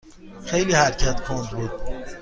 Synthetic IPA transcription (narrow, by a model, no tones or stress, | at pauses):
xejliːhæɾcʰæt̪kʰond̪buːd̪̥̚